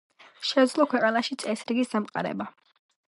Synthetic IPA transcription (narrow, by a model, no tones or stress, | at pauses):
ʃɛd̪zlˠɔkʰwɛqʼanaʃit̪sʼɛsɾiɡisd̪amqʼa̰ɾɛ̰ba